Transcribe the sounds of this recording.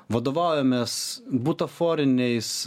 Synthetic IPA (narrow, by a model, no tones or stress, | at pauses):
ʋɐd̪oːʋɑˑʊjomʲɛːsbuːt̪ɐfoːɾʲɪnʲɛɪs